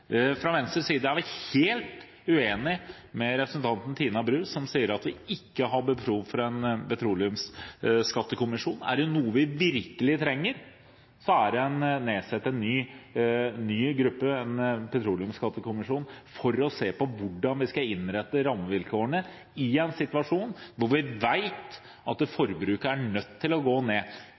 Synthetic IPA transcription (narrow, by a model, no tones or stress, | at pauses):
fɾɑʋɛnst̪ɾəsiːd̪əæʋɪheːlt̪ | ʉeːnɪ | mɛɾɛpɾəsən̩t̪ʰɑnt̪n̩t̪ʰiːnɑbɾʉːsɔmsiːəɾɑt̪ʋɪɪkːəɦɑbəpʰɾuːʋfɔɾɛnpɛt̪ʰɾuːlɪʉmsskɑt̪ːəkʊmɪʂuːnæ̰ɖɛʊnuːəʋɪʋɪɾkəlɪt̪ʰɾɛŋːəɾ | sɔæɖɛɛnneːsɛt̪ːəɛnːyː | yːɡɾɵpːəɛnpʰɛt̪ʰɾuːlɪʉmskɑt̪ːəkʰʊmɪʂuːnfɔɾɔseːpɔʋʊɖːɑnʋɪskɑɪnɾɛt̪ːəɾɑmːəʋɪlkʰoːəɳə | ɪɛnsɪt̪ʋɑʂuːnʋʊɾʋɪʋæɪt̪ | ɑt̪̚d̪ɛfɔɾbɾʉːkəæɳœt̪ʰːɪlɔɡoːneː